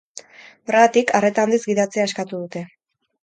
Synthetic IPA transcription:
o̞re̞ɣat̪ikare̞t̪aːnd̪izɡiðat͡seaeskat̪uðut̪e̞

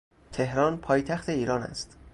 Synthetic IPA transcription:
t̪ʰe̞hɾɒːnpʰɒːjt̪ʰæxt̪ʰe̞iːɾɒːnæ̰st̪

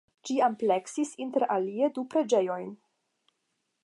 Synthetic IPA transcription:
d͡ʒiample̞ksisinte̞ɾʔalie̞dupɾe̞d͡ʒe̞jo̞jn

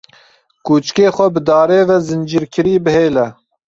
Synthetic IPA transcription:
kuːt͡ʃkeːxʷɛbɨd̪ɑːɾeːvɛzɨnd͡ʒiːɾkʰɨɾiːbɨheːlɛ

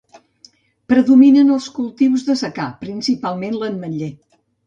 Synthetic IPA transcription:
pɾəðuminənəlˠskulˠt̪iwzðəsəkapɾinsipalˠmenlənməʎe

